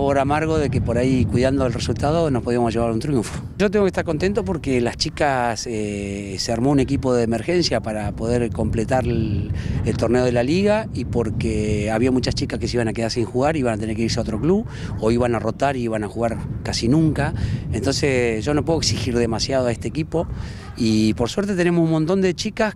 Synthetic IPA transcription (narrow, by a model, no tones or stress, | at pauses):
βoɾamaɾɣo̞ðekepo̞ɾaikwiðand̪oelresult̪aðo̞nospoð̞iamozʒe̞βaɾunt̪ɾjuɱfo̥ | ʒot̪eŋɡokest̪aɾko̞nt̪ent̪op̬o̞ɾkelast͡ʃikaseseaɾmo̞une̞kipo̞ðeːmeɾxe̞nsjapaɾapo̞ðeɾko̞mplet̪aɾ | elt̪o̞ɾneo̞ð̞elaliɣaipo̞ɾkeaβiamut͡ʃast͡ʃikaskeseiβanakeðaɾsiŋxuɣaɾiβanat̪e̞neɾkeiɾseao̞t̪ɾo̞kluβ | o̞iβanaro̞t̪aɾiiβanaxuɣaɾkasinũŋkaent̪o̞nsesʒo̞no̞pweoeksixiɾðe̞masjaðoaest̪eːkipo̞ | ipo̞ɾswe̞ɾt̪e̞t̪ene̞mosunmont̪o̞nd̪e̞t͡ʃikas